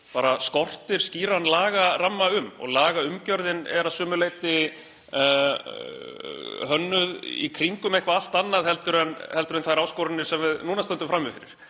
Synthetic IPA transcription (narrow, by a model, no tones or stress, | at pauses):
paːɾaskɔr̥t̪ɪɾ̥sciːɾanlaːɣaramːaʏmɔ̰ɣlaːɣaʏmcœɾðɪnɛ̰ɾaðsʏːmʏleːjt̪ɪ | ɦœnːʏðḭkʰɾiŋkʏmejhkvaal̥t̪anːaðhɛlt̪ʏɾɛnhɛlt̪ʏɾʏnθajɾaːwskɔwɾɪnːɪ̥sɛmvɪðnuːnast̪ɛnt̪ʏfɾamːɪfɪɾɪ̰ɾ̥